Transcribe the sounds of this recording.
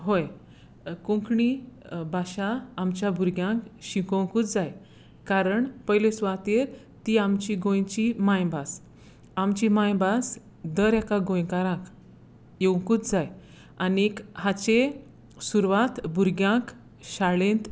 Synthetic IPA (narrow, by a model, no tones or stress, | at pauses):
ɦoj | kũŋkɳibaɕaːmt͡ɕjabʱuɾɡjãkɕikowkuːt͡sd͡zaj | kaɾəɳpəjlesʋat̪eɾ | t̪iamt͡ɕiɡõjt͡ɕimãjbas | amt͡ɕimajbas | d̪əɾɛkaɡõjkaɾãk | jewŋkuːt͡sd͡zaj | anikhat͡ɕe | suɾʋat̪buɾɡjãk | ɕaɭẽnt̪